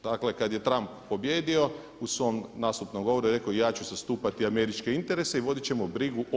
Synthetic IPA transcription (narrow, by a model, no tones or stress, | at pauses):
d̪aklekad̪je̞t̪ɾamppo̞bje̞ːd̪io̞ | usʋo̞mnaːst̪upnomɡo̞ʋo̞ɾueɾe̞kojaːt͡ʃuzast̪uːpat̪iame̞ɾit͡ʃkeint̪e̞ɾese̞iʋo̞d̪it͡ɕe̞mobɾiɡuʔ